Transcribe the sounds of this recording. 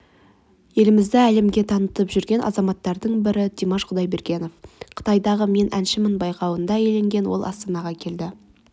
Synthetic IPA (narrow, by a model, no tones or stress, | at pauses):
je̞lɪmɪzd̪ɪæle̞mɡʲe̞t̪ʰɑnət̪əpʒʏɾɡʲe̞nʔɑ̰zɑmɑt̪ːɑɾd̪əɴbɪɾɪd̪imɑʃqʊd̪ɑjbe̞ɾɡʲe̞no̞fqʰə̥t̪ɑjd̪ɑʁəme̞nʔænʃɪmɪnbɑjqɑwənd̪ɑjele̞ŋɡʲe̞nwo̞̰lˠʔɑ̰st̪ɑnɑʁɑkʲʰe̞ld̪ɪ